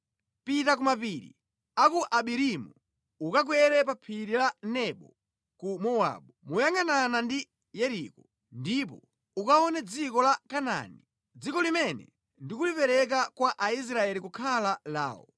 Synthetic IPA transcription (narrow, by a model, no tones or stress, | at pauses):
pitakumapiɾḭ | akuʔaɓiɾimu | ukak̬wɛɾɛpapʰiɾilanɛɓɔ | kumɔwa̰ɓumujaŋananandi | jɛɾikɔ | ndipɔ̰ | ukaɔnɛd͡zikɔlakana̰ni | d͡zikɔlimɛnɛ̰ | ndikulipɛɾɛk̬akwaʔais̬ɾaɛlikukʰalala̰ːɔ̰